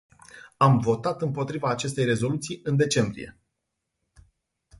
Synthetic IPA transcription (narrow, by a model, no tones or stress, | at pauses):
amvo̞t̪at̪ɨmpo̞t̪ɾivaːt͡ʃe̞s̬t̪e̞jre̞zo̞lut̪sijɨnd̪e̞t͡ʃe̞mbɾḭe̞̰